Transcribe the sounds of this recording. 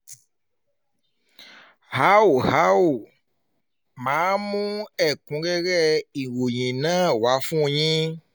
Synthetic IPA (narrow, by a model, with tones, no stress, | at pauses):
ha˦wo˨ɦa˦wo˨ | mã˨˦mũ˦ɛ˨kũ˨˦ɡɛ˦ɣɛ˦i˨wo˨ɲĩ˨nã˦wa˨˦fũ˦˨ɲĩ˦